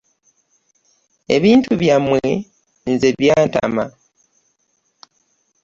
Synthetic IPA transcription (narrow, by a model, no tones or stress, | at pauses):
e̞̰βiːntuβjamːwe | nze̞βjaːnta̰ma